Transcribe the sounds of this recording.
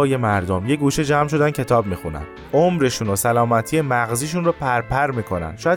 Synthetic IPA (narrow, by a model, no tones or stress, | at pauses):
je̞mæɾd̪omje̞ɡuːʃed͡ʒæːmʃ̬o̞d̪æncʰe̞t̪ʰɒːb̚miːxunæ̰n | ʔomɾe̞ʃunosælɒːmæt̪ʰije̞mæɣziːʃ̬unɾɔːpʰæɾpʰæɾmiːkʰo̞næ̰nʃɒːjæ